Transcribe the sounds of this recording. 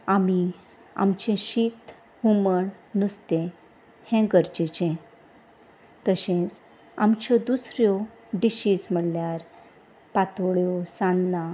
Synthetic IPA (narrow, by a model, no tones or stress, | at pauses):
ami | a̰mt͡ɕẽɕit̪ | huməɳnust̪ẽ | hɛ̃ɡəɾd͡ʑet͡ɕɛ̃ | t̪əɕẽt͡s | a̰mt͡ɕɔd̪usɾjɔ | ɖiɕism̤əɽljaɾ | pat̪ɭjɔsanːa